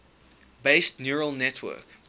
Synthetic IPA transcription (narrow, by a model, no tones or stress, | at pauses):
beɪstnjuɹəlˠnɛtʰwɜ̰k